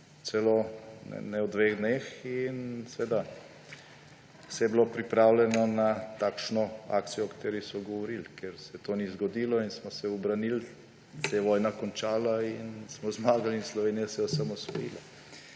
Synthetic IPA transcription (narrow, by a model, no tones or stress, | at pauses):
t͡ssɛlonɛ̰nɛwd̪ʋeɣd̪neːxinsʋeːd̪a | sɛjɛblopɾipɾaːwlɛnɔnat̪aːkʃnɔa̰ːk̚t̪sijɔɔkḁt̪eːɾisɔɡɔʋɔɾilkeɾsɛɛt̪oːnizɡɔd̪iːlɔinsmɔsɛubɾanil | sjɛʋɔːjnakɔnt͡ʃaːlainsmɔzmaːɡalinslɔʋeːnijasɛɔsamɔsʋɔjila̰